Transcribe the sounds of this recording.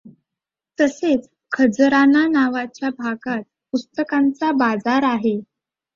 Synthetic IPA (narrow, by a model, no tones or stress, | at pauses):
t̪əset͡s | kʰəd͡zɾananaʋat͡ɕjabʱaɡat̪̚pust̪əkant͡sabad͡zaɾaɦe